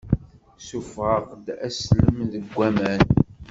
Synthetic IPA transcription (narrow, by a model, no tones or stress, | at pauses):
sufʁəʁd̪æsləmðəɡʷːæmæn